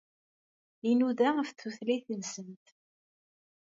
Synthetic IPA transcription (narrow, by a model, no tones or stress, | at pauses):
inuðæəfθuθliθənsənt̪